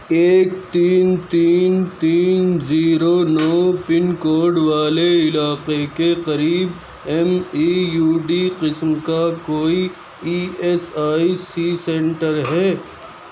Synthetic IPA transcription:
eːk̚t̪iːnt̪iːnt̪iːnnziːɾonɔːpɪnkoːɾɖʋaːleɪlaːqekeqɐɾiːb | ɛmiːjuːɖiqɪsmkakoːi | iːɛsaːisiːsɛ̃ːɳʈəɾɦɛː

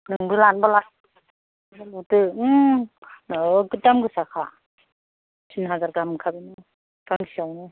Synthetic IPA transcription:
nɯŋbɯlanbala | alutɯ | nkɯtdamɡɯsakʰa | sʰinɦazaɾɡamkʰabɯnɯ | ɡ̥aŋsʰiawnɯ

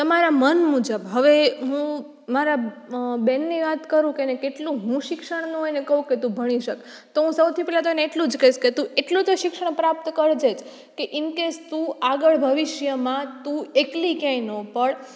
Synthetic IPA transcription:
t̪əmaɾamənmud͡ʒəbɦəʋeɦũ | maɾa | bɛnːiʋat̪kəɾũkenekeʈlũɦũʃɪkʃəɽ̃nũɦenekəɦũket̪ũbʱəɽ̃iʃək | t̪oɦũsəwt̪ʰipɛlat̪oeneːʈlũd͡ʒkəiʃket̪ũeʈlũt̪oʃɪkʃəɳ̃pɾap̚t̪kəɾd͡ʒed͡ʒ | keʔɪnkest̪ũaɡəɭbʱəʋɪʃjəmãt̪ũeklikjãĩnopəɳ

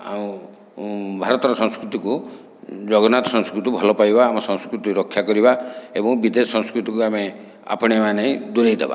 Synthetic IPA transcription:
a̰ũ | bʱaɾɔt̪ɔɾɔsɔ̃skɾut̪iku | d͡ʒɔɡɔnat̪ɔsɔ̃nskɾut̪ibʱɔlɔpajbaːmɔsɔ̃ŋskɾut̪iɾɔkʰːjakɔɾibaebɔŋbid̪esɔ̃ŋskɾut̪ikuame | a̰pɔɽ̃emaneĩd̪uɾejd̪ḛba̰

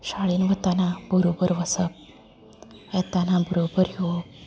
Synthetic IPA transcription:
ɕaɭiːnʋət̪anabəɾobəɾʋəsəp̚ | ɛt̪anabəɾobəɾjo

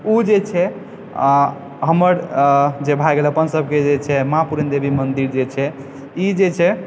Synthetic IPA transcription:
ud͡ʒet͡ʃʰɛ | ɦəməɾd͡ʒebʱajɡeləpənsəb̚ʱked͡ʒet͡ʃʰɛmapuɾənd̪ebʱimənd̪iɾd͡ʒet͡ʃʰɛ | id͡ʒet͡ʃʰɛ

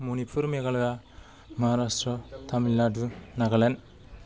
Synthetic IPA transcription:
munipʰuɾmeɡalja | maɦaɾastɾɔt̪ʰamilːadunaɡalen

